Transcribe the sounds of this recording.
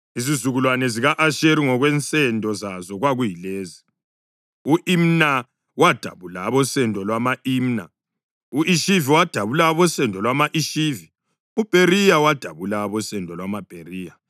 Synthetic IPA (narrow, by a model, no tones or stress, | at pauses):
izizuɣulwanɛziɣaʔaʃeɾiŋɔɣwɛnt͡sʼɛndʱʼɔzazɔɣwaɣujileːzi | uʔim̩na | wad̥ʱa̰βulaβɔsɛndʱʼɔlwamaʔimna̰ | uʔiʃiviwad̥ʱaβulaβɔsɛndʱʼɔlwamaʔiʃivi | ub̥ʱerijawad̥ʱaβulaβɔsɛndʱʼɔlwamab̥ʱeriːja